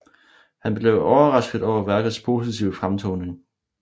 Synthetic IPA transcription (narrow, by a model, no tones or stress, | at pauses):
hænb̥le̝ʊɒʊɐʁɑ̈sɡ̥ð̩ˠɒʊ̰ɐʋæɐɡ̥ð̩ˠspʰo̝sit͡sʰiʊəfʁamt͡sʰɔʊne̝ŋ